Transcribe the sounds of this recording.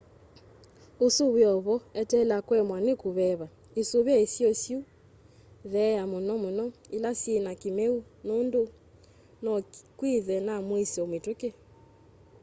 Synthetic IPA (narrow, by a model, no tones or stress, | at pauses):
usuβjɔβɔɛtɛlakwɛmwanekuβɛβa | isuβjaisiɔsju | ðɛjamonɔmonɔilasjenakimeunondo | nɔkwiðɛnamwisiɔmituke